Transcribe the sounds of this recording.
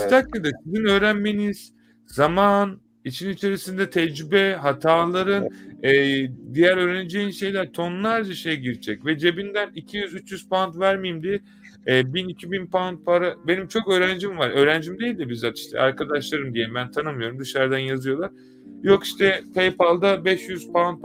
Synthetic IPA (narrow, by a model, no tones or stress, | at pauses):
st̪ʰaklʲˠad̪asizinø̞ːɾænme̞niz̥ | zaman | it͡ʃʰinit͡ʃʰe̞ɾisind̪ɛt̪ʰɛd͡ʒɾybɛɦat̪ʰaːlˠaɾɯnɛːd̪ijæɾø̞ːɾened͡ʒe̞jinʃe̞jlʲæɾt̪ʰo̞nlˠaɾd͡ʒaʃejɛɟiɾd͡ʒʰɛcvɛd͡ʒe̞bind̪ænicʰijyzyt͡ʃjyz̥pant̪væɾmijimd̪iɛː | binicʰibinpant̪̚pʰaɾabe̞nimt͡ʃʰo̞køːɾænd͡ʒimvaɾø̞ːɾænd͡ʒimd̪ejilʲd̪ɛbizat̪iʃt̪ʰɛ̰ʔaɾkʰad̪aʃlˠaɾɯmd̪ijeimbænt̪ʰanɯmɯjo̞ɾumd̪ɯʃaɾd̪anjazɯjo̞lˠaɾ̥ | jo̞kiʃt̪ʰɛpʰejpʰalˠd̪abɛʃjyz̥pant̪̚p